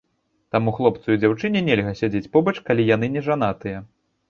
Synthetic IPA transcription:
t̪amuxlˠɔp̚t̪sɐjud͡zʲawt͡ʂɨnʲɛnʲɛlʲɣɐsʲad͡zʲet͡sʲpɔbɐt͡ʂkalʲijanɨnʲɛʐanat̪ɨjɐ

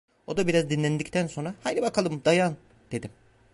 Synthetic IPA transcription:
o̞d̪abiɾazd̪inlʲænd̪ict̪ʰænso̞nɾahajd̪ʲibakʰalˠɯmd̪ajan | d̪̥e̞d̪im

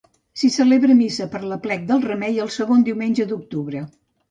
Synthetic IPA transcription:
sisəleβɾəmisəpəɾləplɛk̚d̪əlˠrəmɛjəlˠsəɣond̪iwmenʲʒəd̪uk̚t̪uβɾə

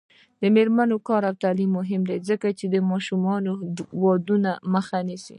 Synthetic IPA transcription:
d̪̥əmeɾmanokɑɾawt̪alimːʊɦɪmd̪ezəkat͡ʃed̪əmɑʃumɑnowɑd̪unaməxanisḭ

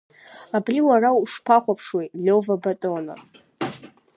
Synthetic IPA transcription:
abriwarawuʂpʰaχʷapʰʂwejtʼlʲovabatʼona̰

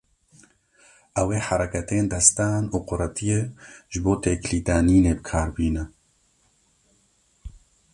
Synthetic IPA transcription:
ʔɛweːħaɾɛkɛt̪eːnd̪ɛst̪aːnuːqʊɾat̪ijeːʒɨboːt̪eːkliːd̪aːniːneːbɨkʰaːɾbiːnɛ

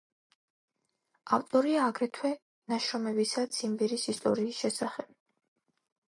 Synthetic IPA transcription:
aft̪ʼɔɾiaːɡɾɛt̪ʰwɛ | naʃɾɔmɛbisat̪sʰimbɛɾisist̪ʼɔ̰ɾiːsʃɛsaχɛb̥

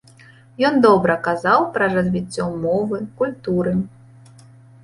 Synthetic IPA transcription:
jɔnd̪ɔbɾɐkazawpɾɐrɐzʲvʲit͡sʲːɔmɔvɨkulʲt̪uɾɨ

